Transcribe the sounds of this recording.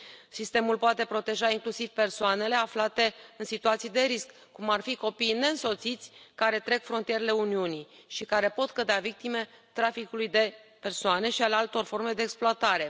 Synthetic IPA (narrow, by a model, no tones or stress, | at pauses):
sist̪e̞mulpoat̪e̞pɾo̞t̪e̞ʒaiŋklusiv̥pe̞rsoane̞le̞aflat̪e̞ɨnsit̪uat̪sijd̪e̞ɾiskːumarfiko̞piːne̞ɨnso̞t̪sit̪sʲkaɾe̞t̪ɾe̞kfɾo̞nt̪ije̞ɾele̞uniuni | ʃikaɾe̞po̞t̪kəd̪eavik̚t̪ime̞t̪ɾafikulujd̪e̞pe̞rsoane̞ʃialealt̪o̞rfo̞rme̞d̪eːksploat̪aɾe̞